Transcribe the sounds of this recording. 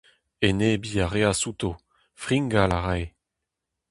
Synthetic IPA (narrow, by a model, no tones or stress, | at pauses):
enebiːaʁeasut̪o | fʁiŋɡalaʁaj